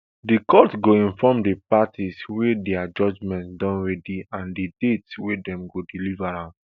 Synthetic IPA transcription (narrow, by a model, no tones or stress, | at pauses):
dikɔtɡoĩnfɔmdipatʰiswedɛad͡ʒɔd͡ʒmɛ̃ntdɔ̃nɹɛdiãndidetswedɛ̃mɡodilivaɹã